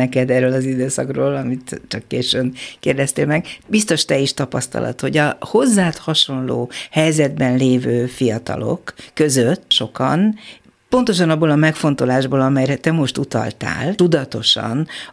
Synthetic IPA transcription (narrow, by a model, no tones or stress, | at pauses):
ɛkɛd̪ɛːrːøːlɒzid̪øːsɒ̰kroːlɒmit̪t͡ʃɒkːeːʃønkeːrd̪ɛst̪eːlmɛɡbist̪o̞ʃt̪ɛiʃt̪ɒpɒst̪ɒ̰lʔɒ̰t̪ho̞ɟɒho̞zːaːt̪hɒʃo̞nlo̰ːhɛjzɛd̪bɛnleːvøːfijɒt̪ɒ̰lo̞̰kːø̞zøt̪ːʃo̞kɒ̰n | po̞nt̪o̞ʃ̬ɒnɒbːolɒmɛkfo̞nt̪o̞laːʒboːlɒmɛjrɛt̪ɛmo̞ʃt̪ut̪ɒ̰lt̪a̰ːlt̪ud̪ɒt̪o̞ʃɒ̰n